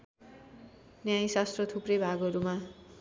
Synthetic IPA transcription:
njajsast̪rʌt̪ʰuprʌjbʱaɡʌɾuma

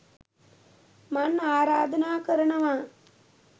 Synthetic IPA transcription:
manaːɾaːd̪ənaːkəɾənəʋaː

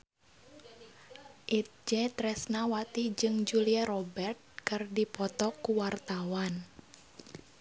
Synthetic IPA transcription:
ʔit̪̚d͡ʒɛt̪ɾɛsnawat̪id͡ʒɨŋd͡ʒuliaɾɔbɛrt̪̚kɨrdipɔt̪ɔkːuwart̪awan

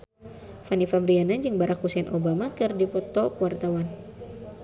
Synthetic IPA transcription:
fanifabɾianand͡ʒɨŋbaɾakːusɛnʔobamakɨrdipɔt̪ɔkuwart̪awan

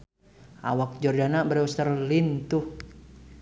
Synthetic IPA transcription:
ʔa̰wak̚d͡ʒɔrdanabəɾɛst̪ərlint̪uh

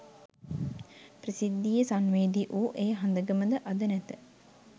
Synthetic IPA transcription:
prisid̪ːijesanʋeːd̪iʔuːʔeːɦand̪əɡəməd̪əʔad̪ənæt̪ə

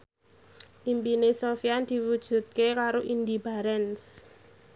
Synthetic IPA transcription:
ʔimpinesofiand̪̥i̤wud̥ʒ̥ṳt̪̚kekaɾoʔind̪ibaɾɛns

